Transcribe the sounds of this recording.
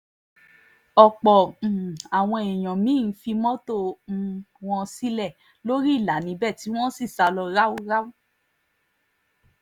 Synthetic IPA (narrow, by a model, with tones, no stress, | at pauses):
ɔ˨k͡pɔ̃˨a˨w̃ɔ̃˧e˨j̃ɔ̃˨mĩ˨˦n̩˨˦fi˧mɔ̃˦to˦˨˧ | w̃ɔ̃˧si˦lɛ˦˨ | lo˦ɾi˦˨la˨˦nĩ˨˦bɛ˦˨ti˨˦w̃ɔ̃˦si˦˨sa˧lɔ˧ɾa˦wu˦ɾa˦wu˦